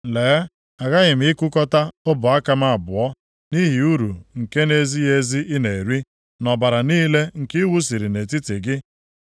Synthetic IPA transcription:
leː˨˦ | a˨ɣa˦ɣɪ˨m̩˦ɪ˦kʊ˦kɔ˦ta˦ʊ˦bʊ˨a˦ka˦m˦a˦a˨bʊ˨ɔ˦ | ni˦ɦi˨u˦ɾu˨ŋ̩˨ke˦ne˦zi˦je˦zi˦i˦ne˨ɾi˦ | nɔ˨ba˨ɾa˨niː˦le˦ŋ̩˨kɪ˦wu˦s̬i˨ɾi˨ne˨ti˦te˨ɡɪ˦

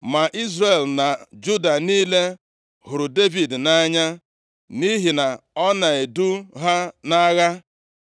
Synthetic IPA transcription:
ma˨ʔi˦zre˨lna˨d͡ʒu˦da˨niː˦le˦ | hʊ˨ɾʊ˨de˦vi˨dna˦ɲa˦ | ni˦ɦi˨na˨ɔ˦na˨e˨du˦ɦa˦na˦ɣa˦

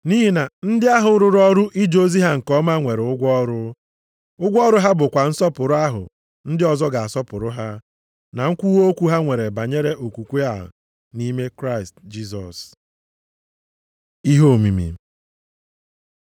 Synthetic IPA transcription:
ni˦ɦi˦na˨n̩˦dɪ˦a˦ɦʊ˨˦ɾʊ˨ɾɔ˦ɾʊ˦ʔi˦d͡ʒo˦zi˦ɦa˦ŋ̩˨kɔ˦ma˦ŋʷe˨ɾʊ˦ɡʷɔ˦ɾʊ˦ | ʊ˦ɡʷɔ˦ɾʊ˦ɦa˦bʊ˨kʷa˨n̩˦sɔ˦pʊ˨ɾʊ˦a˦ɦʊ̰˨ | n̩˦dɪ˦ɔ˨zɔ˦ɡa˨a˨sɔ˦pʊ˨ɾʊ˦ɦa˦ | na˨ŋ̩˦kʷu˦wo˦kʷu˦ɦa˦ŋʷe˨ɾe˨ba˨ɲe˦ɾe˦ʔo˨kʷu˨kʷe˦a˦˨ɦ | ni˦me˦kɾa˦ɪ˨std͡ʒi˦s̬ɔ̰˨s | i˦ɦo˦˨mi˨mḭ˨

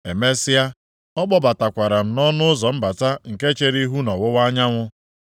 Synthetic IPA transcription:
e˨me˦sɪ˦a˦ | ɔ˦k͡pɔ˦ba˨ta˨kʷa˨ɾa˨m̩˨nɔ˦nʊ˦ʊ˦zɔ˨m̩˦ba˨ta˦ŋ̩˨ke˦t͡ʃe˦ɾi˦ɦu˦nɔ˨wʊ˦wa˦ɲa˦ŋʷʊ˦

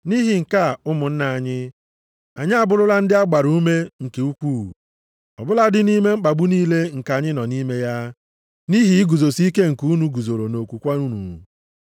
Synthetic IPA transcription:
ni˦ɦi˨ŋ̩˨ka˦˨ʊ˦mʊ˨n̩˦na˨a˨ɲɪ˦ | a˨ɲɪ˦a˨bʊ˦lʊ˦la˦n̩˦dɪ˦a˦ɡ͡ba˨ɾu˦u˦me˦ŋ̩˨ke˨u˦kʷuː˦˨ | ɔ̰˨bʊ˦la˦dɪ˦ni˦me˦ŋ͡m̩˦k͡pa˨ɡ͡bu˦niː˦le˦ŋ̩˨ka˨ɲɪ˦nɔ˨ni˦me˦ja˦ | ni˦ɦi˨i˦ɡu˨zo˨si˦ke˦ŋ̩˨ku˦u˦nu˨ɡu˨zo˨ɾo˨no˨kʷu˨kʷa˦u˦nṵ˨

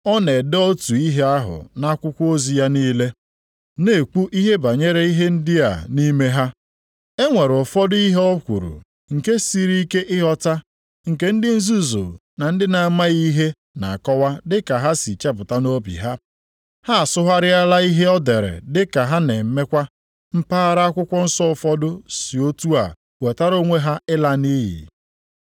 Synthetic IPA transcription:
ɔ˦ne˨dɔ˦tu˨i˦ɦe˦a˦ɦʊ̰˨na˦kʷʊ˦kʷo˦zi˨ja˦niː˦le˦ | ne˨ku˦ʔi˦ɦe˦ba˨ɲe˦ɾe˦i˦ɦe˦n̩˦dɪ˦a̰˨ni˦me˦ɦa˦ | e˦ŋʷe˨ɾɔ˨fɔ˦dʊ˦i˦ɦe˦ɔ˦kʷṵ˨ɾṵ˨ | ŋ̩˨ke˦si˦ɾi˦ke˦ʔɪ˦ɦɔ˦ta˦ | ŋ̩˨ke˦n̩˦dɪ˦n̩˦zu˦zo̰˨ | na˨n̩˦dɪ˦na˨ma˦ɣi˦ɦe˦ | na̰˨a˨kɔ˦wa˦dɪ˦ka˨ɦa˦si˨t͡ʃe˦p̬ʊ˨ta˦no˦bḭ˨ɦa˦ | ha˦a˨sʊ˦ɦa˦ɾɪ˦a˦la˦i˦ɦe˦ɔ˦de˨ɾḛ˨dɪ˦ka˨ɦa˦ne˨m̩˦me˦kʷa˦ | m̩˦paː˦ɾa˦a˦kʷʊ˦kʷɔ˦n̩˦sɔ˦˨fɔ˦dʊ˦si˨o˦tu˦a̰˨ | we˨ta˦ɾo˦ŋʷe˦ɦa˦ɪ˦la˦ni˦jḭ˨

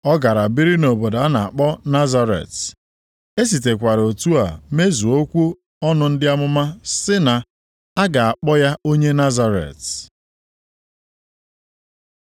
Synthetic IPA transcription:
ɔ˦ɡa˨ɾa˨bi˦ɾi˦no˨bo˨da˨a˦na˨a˨k͡pɔ˦na˦za˦ɾḛ˨t | e˦s̬i˨te˨kʷa˨ɾo˨tu˦a̰˨me˦zu˨o˦kʷu˦ | ɔ˦nʊ˦n̩˦dɪ˦a˦mʊ˦ma˦sɪ˦na˨ | a˦ɡa˨a˨k͡pɔ˦ja˦o˦ɲe˦na˦za˦ɾḛ˨t

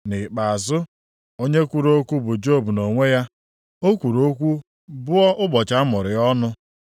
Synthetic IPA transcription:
nɪ˨k͡pa˨a˨zʊ˦ | o˦ɲe˦kʷu˦ɾo˦kʷu˦bʊ˨d͡ʒo˦˨bu˨no˨ŋʷe˦ja˦ | o˦kʷu˨ɾo˦kʷu˦ | bʊ˦ɔ˦ʔʊ˦bɔ˨t͡ʃa˦mʊ˨ɾɪ˨ɔ˦nʊ˦

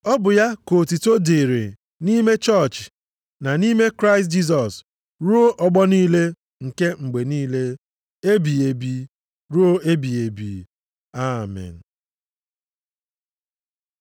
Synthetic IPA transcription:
ɔ˦bʊ˨ja˦ko˨ti˨to˦de˨ɾe˨ | ni˦me˦t͡ʃɔ˦˨t͡ʃ | na˨ni˦me˦kɾa˦ɪ˨st̚d͡ʒi˦s̬ɔ˨s | ɾu˦o˦ʔɔ˨ɡ͡bɔ˦niː˦le˦ | ŋ̩˨ke˦ŋ͡m̩˨ɡ͡be˨niː˦le˦ | e˦bi˨e˨bi˨ | ɾu˦o˦e˦bi˨e˨bi˨ | a˦˨mɛ̰˨n̩˨

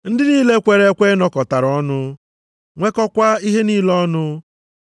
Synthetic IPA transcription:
n̩˦dɪ˦niː˦le˦kʷe˨ɾe˨˦kʷe˦nɔ˦kɔ˨ta˨ɾɔ˦nʊ˦ | ŋʷe˦kɔ˦kʷa˦i˦ɦe˦niː˦lɔ˦nʊ˦

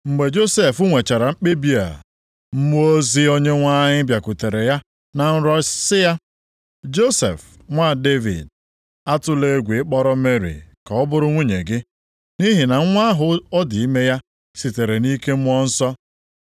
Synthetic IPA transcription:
ŋ͡m̩˨ɡ͡be˨d͡ʒo˦se˨fʊ˦ŋʷe˨t͡ʃa˨ɾa˨ŋ͡m̩˦k͡pe˦bi˦a̰˨ | m̩˦mu˦o˦zi˦o˦ɲe˦ŋʷa˦ɲɪ˦bja˨ku˨te˨ɾe˨ja˦ | na˨n̩˦ɾɔ˦sɪ˦ja˦ | d͡ʒo˦sḛ˨f | ŋʷa˦˨de˦vḭ˨d̚ | a˦tʊ˦le˦ɡʷi˨ɪ˦k͡pɔ˦ɾɔ˦me˦ɾḭ˨ka˨ɔ˦bʊ˦ɾʊ˦ŋʷu˦ɲe˨ɡɪ˦ | ni˦ɦi˨na˨ŋ̩˦ŋʷa˦ɦʊ˨ɔ˦di˨i˦me˦ja˦ | si˨te˨ɾe˨ni˦ke˦m̩˦m˦ɔ˦n̩˦sɔ˦

